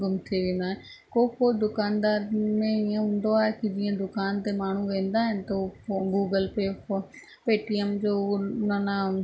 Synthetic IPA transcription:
ɡʊmt̪ʰiʋẽːn̆d̪aːɦẽ | koːpoːd̪ʊkaːnd̪aːɾmẽɪə̃ɦʊ̃ːnd̪oaːɦekid͡ʑĩːə̃d̪ʊkaːnt̪emaːɳ̤uʋẽːn̆d̪aːɦɪnɪ̆t̪oɡuːɡəlpeːpo | peːʈiɛmd͡ʑoːnana

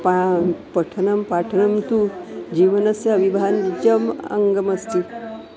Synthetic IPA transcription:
papəʈʰənəmpaʈʰənəmt̪ud͡ʑiʋənəsjɐːʋibʱand͡ʑəmə̰ŋɡəməst̪i

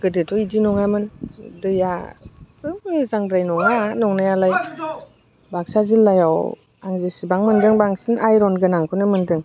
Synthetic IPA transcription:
ɡ̥ɯdetʰɔidinɔŋamɯndɯjapʰɯmizaŋdɾajnɔŋanɔŋnajalaj | bak̚sazilːajaw | aŋzesibaŋmɯndɯŋbaŋsinʔajɾɔnɡɯnaŋkʰɯnɯmɯndɯŋ

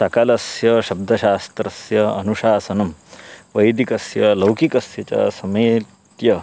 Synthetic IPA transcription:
sɐkɐlɐsjɐʃɐb̚d̪ʱɐʃaːst̪ɾɐsjɐɐ̰nuʃaːsɐnɐmʋɐjd̪ikɐsjɐlɐwkikɐsjɐt͡ʃɐ̰sɐmeː | t̪jɐ

